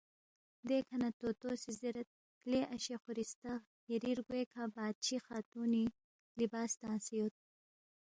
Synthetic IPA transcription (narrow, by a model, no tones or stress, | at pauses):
d̪ekʰanat̪ot̪osiziɾat̪̚ | kleʔaʃexʊɾist̪a | jɐɾiɾɡweːkʰabɑːd̪̚t͡ʃʰixɑːt̪uni | libɑːst̪ɑ̃ːsijot̪̚